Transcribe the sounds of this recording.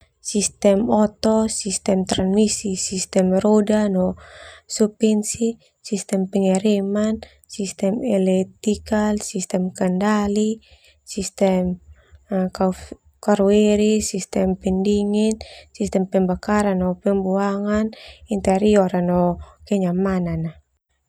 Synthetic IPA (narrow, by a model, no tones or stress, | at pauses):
sist̪ɛmɔt̪ɔsist̪ɛmt̪ɾanmisisist̪ɛmɾɔdanɔsupɛnsi | sist̪ɛmpɛŋɛɾɛman | sist̪ɛmɛlɛt̪ikalsist̪ɛmkandali | sist̪ɛm | ka | kaɾuɛɾisist̪ɛmpɛndiŋɛnsist̪ɛmpɛmbakaɾanɔpɛmbuaŋanint̪ɛɾiɔɾanɔkɛɲamanana